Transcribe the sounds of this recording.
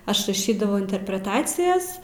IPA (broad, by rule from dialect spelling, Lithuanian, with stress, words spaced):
ˈɐʃ rɐˈʃʲiːdɐʋɐʊ ɪnʲtʲɛrʲpʲrʲɛˈtɑːt͡sʲɪjɛs